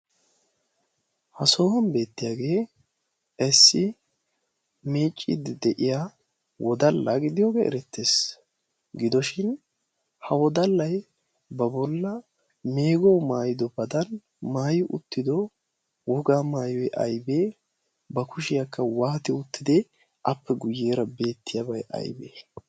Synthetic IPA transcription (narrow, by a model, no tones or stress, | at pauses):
hɐso̞ːhɐnbe̞ːt̪ːɪjaːɡe̞ː | ɛsːɪ | meːt͡ʃʼːɪ̰d̪ɪd̪ɛʔɪjaː | wʔɔd̪ɐlːɐ̰ɡɪd̪ɪjo̞ːɡeːʔɛ̰ɾɛt̪ːeːs | ɡɪd̪ɔʃɪn | hɐwɔd̪ɐlːɐj | bɐbɔlːɐ | me̞ːɡɔwmaːjɪd̪ɔbɐd̪ɐn | maːjɪʔʊ̰t̪ːɪd̪ɔ | wɔɡaːmaːjɔjʔɐ̰jbeː | bɐkʊʃɪjɐkːɐwaːt̪ɪʊt̪ːɪd̪ɛ | ʔɐpːɛɡʊjːeːɾɐbe̞ːt̪ːɪjaːbɐjʔɐ̰jbḛː